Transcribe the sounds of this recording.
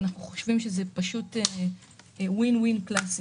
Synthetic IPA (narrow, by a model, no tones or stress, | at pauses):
naχnuχo̥ʃvimʃezepaʃute | winwinklas